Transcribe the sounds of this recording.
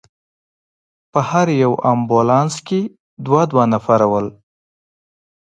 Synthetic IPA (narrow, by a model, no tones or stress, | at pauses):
pəhaɾjawambolɑnske | d̪wɑd̪wɑnafaɾawəl